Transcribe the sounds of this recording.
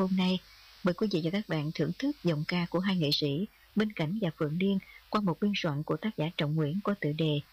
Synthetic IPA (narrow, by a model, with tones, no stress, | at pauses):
ho˧mna˧j | ɓəː˨jkwi˧vḭ˧˨vaː˨˩kaː˦˥k̚ɓa̰ː˧˨nt̪ʰɨ˧˩əŋt̪ʰɨ˦˥k̚zə̰˨˩wŋ͡mkaː˧ku˧˩əɦaː˧jŋḛ˧˨sḭ˧˥ | ɓe˧nka̰˧˩jŋ̟vaː˨˩fɨ̰˧˨əŋli˧ənkwaː˧mo˨˩t̚ɓi˧ənswa̰˧˨nku˧˩ət̪aː˦˥k̚zaː˧˩˦t͡ɕɔ̰˧˨wŋ͡mŋwḭ˧˥ənkɔ˨˩˦t̪ɨ̰˧˨ɗe˨˩